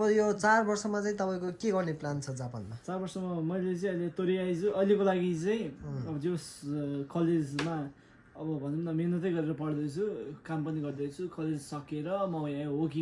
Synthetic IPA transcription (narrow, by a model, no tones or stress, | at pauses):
ʌbʌjot͡sarbʌrsʌmat͡saĩt̪ʌpaĩkokʲeɡʌrneplant͡sʰʌd͡zapa̰nmat͡sarbʌrsʌmamʌjlet͡saĩʌjlet̪oɾiajt͡sʰuʌjlekolaɡit͡saĩɦʌbʌd͡zoskʌled͡zma | ʌbʌbʱʌnemnamenʌt̪ʌjɡʌɾeɾʌpʌɽd̪ʌt͡sʰukampʌniɡʌrd̪ʌt͡sʰukʌled͡zsʌkeɾʌmʌjãɦoki